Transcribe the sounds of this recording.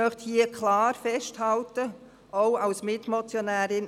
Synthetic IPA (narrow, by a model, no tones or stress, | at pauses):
œχthiəkʰlɑːɾfɛʃthɑltə | oʊɑlsmɪtmɔt͡sjonæːɾɪn